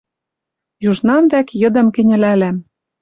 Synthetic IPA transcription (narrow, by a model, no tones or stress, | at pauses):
juʒnɑmβækjɤ̆d̪ɤ̆mkɘ̆nʲɘ̆lælæm